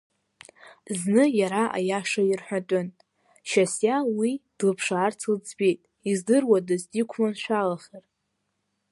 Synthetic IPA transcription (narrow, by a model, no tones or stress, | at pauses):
znɨjaɾaʔa̰jaʂairħʷᶣatʼʊn | ʃasjawid̥lɨpʰʂaːrt͡sʰld͡zʰbejtʼ | izdɨrwadɨzdikʷʰmanʃʷᶣalaχʲar